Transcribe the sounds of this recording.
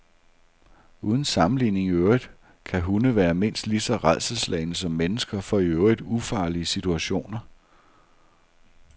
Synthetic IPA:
uːð̞ˠn̩sɑ̈mm̩line̝ŋiøʊʁid̥ | kʰæɦunəʋæːɐme̝n̰sd̥lisɒ̽ʁað̰ˠsəslɛ̰ɪnəsɒ̽mːenəsɡ̥ɐfɒ̽iøʊʁid̥ˠufɑ̈ːliəsit͡sʰuæɕo̝̰ːnɐ

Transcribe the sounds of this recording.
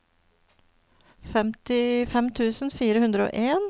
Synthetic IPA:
fɛmt̪ɪfɛmt̪ʰʉːsn̩fiːɾəhʉnd̪ɾəo̰ːʔeːn

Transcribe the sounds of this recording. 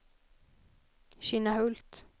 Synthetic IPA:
ɕɪnaɦɵlt̪

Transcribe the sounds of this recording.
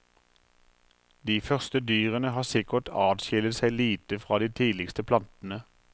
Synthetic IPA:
d̪iːfœʁst̪əd̪yːʁənəɦɑːsɪkəʈ̪ʰɑːd̪ʃɪlət̪sæɪliːt̪əfʁɑːd̪iːt̪ʰiːlɪkst̪əpʰlɑnt̪n̩ə

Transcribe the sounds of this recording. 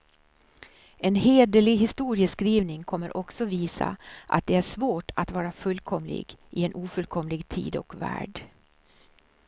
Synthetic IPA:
ɛnheːd̪əlɪɡɦɪst̪uːɾɪəskɾiːvnɪŋkʰɔmːəɾʔɔksɔviːsa̰ʔa̰t̪̚d̪ɛæʂvoːʈat̪vɑːɾafɵlkʰɔmlɪ̰ɡʔɪɛnʔuːfɵlkʰɔmlɪɡt̪ʰḭːd̪ɔ̰kvæ̰ːɖ

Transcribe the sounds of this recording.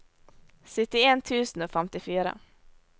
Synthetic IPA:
sʏt̪ːɪeːnt̪ʰʉːsnoːfɛmt̪ɪfyːɾa̰

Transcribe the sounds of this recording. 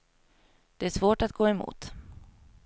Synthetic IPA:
d̪̥ɛæʂvoːʈat̪̚ɡoːɛmṵːt̪

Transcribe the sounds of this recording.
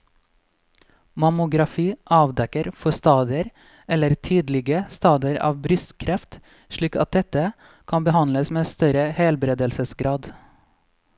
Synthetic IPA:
mɑmʊɡɾɑfiːʔɑːʋd̪ɛkəɾfɔst̪ɑːd̪ɪəɾ | ɛləɾt̪ʰiːd̪lɪɡəst̪ɑːd̪əɾɑ̰ːʋbɾʏst̪kʰɾɛft̪ | ʃɭiːkɑ̰t̪̚d̪ɛt̪ə | kʰɑnbəhɑnləsmeːst̪œɾəheːlbɾeːd̪əlsəsɡɾɑːd̪

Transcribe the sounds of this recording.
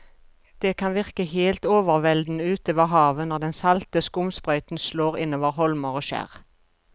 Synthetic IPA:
d̪̥eːkʰɑnʋɪʁkəheːlt̪oːʋəʁʋɛld̪n̩əʉːt̪oːʋɑɦɑːʋənɔʁd̪ɛnsɑlt̪əskʊmspʁœʏt̪n̩sloːʁɪnoːʋəʁhɔlməʁoːʃæ̰ːʁ

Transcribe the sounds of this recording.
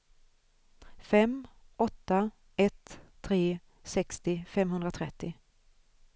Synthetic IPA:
fɛmːɔt̪ːa | ɛt̪ʰː | ɾeː | sɛkst̪ɪfɛmɦɵnd̪ɾat̪ʰɾɛt̪ʰːɪ

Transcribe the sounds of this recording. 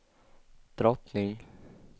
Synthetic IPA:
d̪̥ɾɔt̪nɪŋ

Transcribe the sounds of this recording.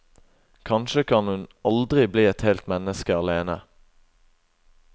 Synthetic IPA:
kʰɑnʃəkʰɑnhʉnɑld̪ʁɪbliːɛt̪helt̪mɛnəskəɑleːnə̰

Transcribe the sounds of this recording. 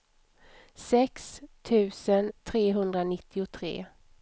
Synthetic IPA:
sɛkst̪ʰʉ̟ːsənt̪ʰɾeːɦɵnd̪ɾanɪt̪ʰːɪʊt̪ʰɾḛː

